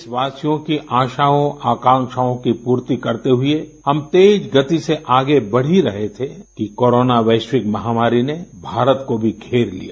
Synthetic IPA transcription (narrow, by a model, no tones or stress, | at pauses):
ɪsʋaːsijõkiʔaːʃaːõaːkãːŋʃaːõkipuːɾt̪ikɐɾt̪eɦʊehɐmt̪eːd͡ʒɡɐt̪iseʔaːɡebɐɽ̤iɾɐɦet̪ʰekikoːɾoːnaʋeːʃwɪkmɐɦaːmaːɾinebʱaːɾət̪kobʱiɡʰʱeːɾlḭja̰ː